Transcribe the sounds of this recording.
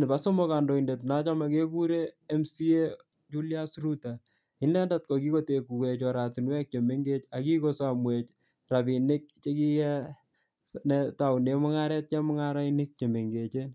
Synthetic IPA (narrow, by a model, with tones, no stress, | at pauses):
nɪ˨ba˦so˦mɔ˦ka˨ndo˨i˨nde˨tna˦t͡ʃa˦ma˨ke˦ku˦ɾeː˦msi˦e˦ | t͡ʃu˦lia˦sru˦ta | i˦nlɛ˦ndat̚kɔ˨ki˦ko˦te˨ku˨kɛ˨t͡ʃɔ˨ɾa˨tu˨nwɛ˦k̚t͡ʃe˨me˦ŋɡe˦t͡ʃa˨ki˦ko˦sa˨mwet͡ʃ | ra˨bi˨nɪ˦k̚t͡ʃe˦ki˦jɛ˦ | nɛta˨wne˦mʊ˦ŋa˦ɾɛ˦t̚t͡ʃɛ˦mʊ˦ŋa˦ɾa˦inɪ˦k̚t͡ʃe˨me˨ŋɡe˨t͡ʃe˦n